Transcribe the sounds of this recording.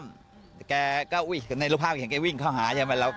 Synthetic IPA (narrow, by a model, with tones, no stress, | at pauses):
m | kɛː˧kɔː˥˩ʔu˧˥˩jna˧ɾu˥˩pʰaː˥˩pkːŋkɛː˧wi˥˩ŋkʰɔː˥˩wɦaː˩˦jaː˧˦ma˧˩la˧˩